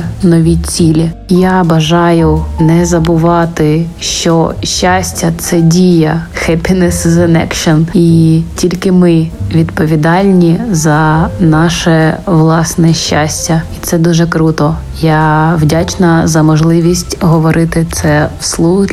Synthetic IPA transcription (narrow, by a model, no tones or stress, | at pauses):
nɔʋʲit͡sʲilʲijabɐʒɑjʊnɛzɐbʊʋɑt̪ɪʃt͡ʃɔʃt͡ʃːasʲtʲːɐt̪sɛdʲijɐxɛpʲinɛszɛnɛ̰kʃɔnitʲilʲkɪmɪʋʲid̪pɔʋʲid̪ɑlʲnʲizɐnɑʃɛʋlˠɑsnɛʃʲt͡ʃːasʲtʲɐit̪sɛd̪uʒɛkɾut̪ɔ | jawdʲat͡ʃnɐzɐmɔʒlˠɪʋʲisʲtʲɦɔʋɔɾɪt̪ɪt̪sɛwslˠu